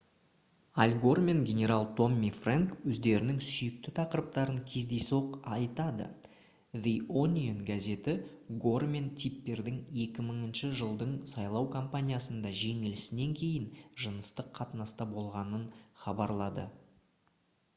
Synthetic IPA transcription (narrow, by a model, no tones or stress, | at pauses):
alʲɡo̞rmʲe̞ŋɡʲe̞nʲe̞ɾalˠt̪ʰo̞mːifraŋkwɵzd̪e̞ɾɪnɪŋsʏjɪk̚t̪ɪt̪ʰɑqəɾəp̚t̪ɑɾəŋkʲʰe̞zd̪e̞so̞qɑjt̪ɑd̪ə̰ | ðionʲionɡaze̞t̪ɪɡo̞rmʲe̞nt̪ʲʰipːe̞ɾd̪ɪŋje̞kʲɪməɴənʃəʒəlˠd̪əɴsɑjlˠɑwkʰompanʲijasənd̪ɑʒe̞ŋɪlɪsɪne̞ŋkʲʰe̞jɪnʒənəst̪əqʰːɑt̪ənɑst̪ɑbo̞lˠʁɑnənχɑbɑɾlˠɑd̪ə̰